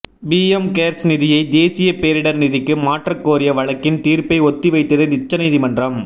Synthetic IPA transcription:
biːɛmkeːɾsnɪðɪjɐɪd̪eːsɪjɐpeːɾɪɽɐɾnɪðɪkːɯmaːʈrɐkːoːɾɪjɐʋɐɻɐkːɪnt̪iːɾpɐɪɔt̪ːɪʋɐɪt̪ːɐðɯnɪt͡ʃːɐniːðɪmɐndrɐm

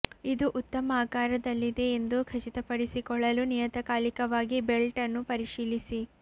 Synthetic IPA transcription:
id̪uʔut̪ːɐmɐaːkaːɾɐd̪ɐlːid̪e̞ːnd̪ukʰɐt͡ʃit̪ɐpɐɽisikɔɭɐlunijɐt̪ɐkaːlikɐʋaːɡibelʈɐnːupɐɾiʃiːlisi

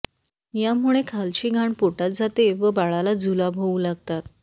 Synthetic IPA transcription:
jamuɭekʰalt͡ɕiːɡʱaɳpoʈat̪̚d͡zʱat̪eʋəbaɭalad͡zʱulabʱoũlaɡ̚t̪at̪

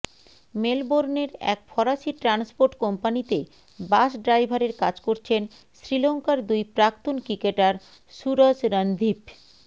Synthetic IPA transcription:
melboɾneɾɛ̰k̚fɔɾaʃiʈɾanspoɾʈkɔmpanit̪e | baʃɖɾajbʱaɾeɾkad͡ʑkoɾt͡ɕʰen | sɾiloŋkaɾd̪ujpɾakt̪onkɾikeʈaɾ | ʃuɾod͡ʑɾand̪ʱip

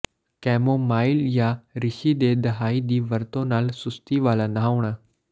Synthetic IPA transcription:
kɛːmomaːɪljaɾɪʃid̪ed̪ɐɦaːid̪iːʋɐɾt̪õnaːlsʊst̪iʋaːlanaʋɳ̃a

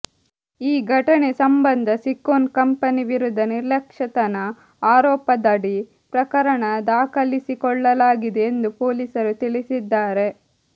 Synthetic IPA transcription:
iːɡʱɐʈɐnesɐmbɐnd̪ʱɐsikːoːnkɐmpɐniʋiɾud̪ʱːɐniɾlɐkʂɐt̪ɐnɐ | aːɾɔːpɐd̪ɐɽi | pɾɐkɐɾɐɳɐd̪aːkɐlisikɔɭːɐlaːɡid̪eːnd̪upoːlisɐɾut̪ilisid̪ːaːɾe̞

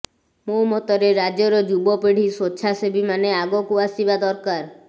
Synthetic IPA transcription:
momɔt̪ɔɾeɾad͡ʒjɔɾɔd͡ʒubɔpeɽ̤isotːʃʰasebimaneaɡɔkuasibad̪ɔɾkaɾ

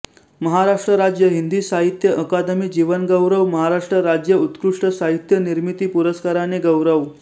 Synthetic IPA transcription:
məɦaɾaʂʈɾəɾad͡ʑjəɦind̪iːsaɦit̪jəʔəkad̪əmiːd͡ʑiʋənɡəwɾəʋməɦaɾaʂʈɾəɾad͡ʑjəut̪kɾuʂʈəsaɦit̪jəniɾmit̪iːpuɾəskaɾaneɡəwɾəʋ

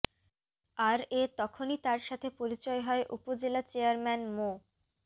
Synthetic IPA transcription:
aɾet̪ɔkʰonit̪aɾʃat̪ʰepoɾit͡ɕɔeɦɔeʔupod͡ʑelat͡ɕeaɾmɛnmo

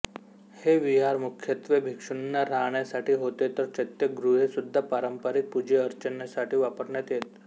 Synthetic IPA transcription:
heʋiɦaɾmukʰjət̪ʋebʱikʂunjaɾaɳjasaʈʰiːɦot̪et̪əɾt͡ɕət̪jəɡɾuɦesud̪ʱːapaɾəmpaɾik̚pud͡ʑeəɾt͡ɕənjasaʈʰiːʋapəɾɳjat̪jet̪̚

